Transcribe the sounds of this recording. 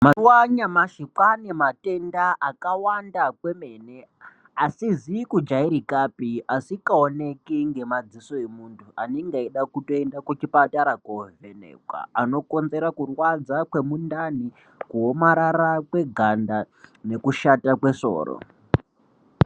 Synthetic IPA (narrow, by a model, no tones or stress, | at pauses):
mawaɲamaʃikanemate̞ndaʔakawandakwe̞me̞ne | asizikud͡ʒaiɾikapiasikaone̞kiŋɡe̞mad͡ziso̞emuntʰuʔaneŋɡaiɗakuto̞endakut͡ʃipataɾakovenḛkwa̰ano̞ko̞nze̞ɾakurwad͡zakwe̞mundani | kuɦo̞maɾaɾakwe̞ɡʱanda | ne̞kuʃatakwe̞so̰ːro̰